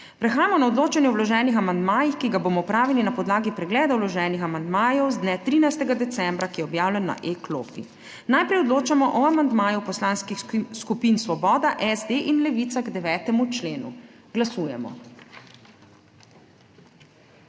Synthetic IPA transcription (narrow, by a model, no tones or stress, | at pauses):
pɾɛxaːjamɔnaɔd̪loːt͡ʃanjɛɔwlɔʒɛːnixamand̪maːjixkiɡaboːmɔpɾaːʋilinapɔd̪laːɡipɾɛɡlɛːd̪awlɔʒɛːnixamand̪maːjɔwzd̪nɛt̪ɾiːnajst̪ɛɡad̪ɛt̪sɛmbɾakijɛɔbjaːwlʲɛnːa̰ʔeklo̰ːpḭ | najpɾɛjɔd̪loːt͡ʃamɔʔɔamand̪maːjupɔslaːnskixskupinsʋɔbɔːd̪aʔɛzd̪eʔinlɛʋiːt̪saɣɡd̪ɛʋɛːt̪ɛmut͡ʃleːnṵ | ɡ̥lasuːjɛmɔ̰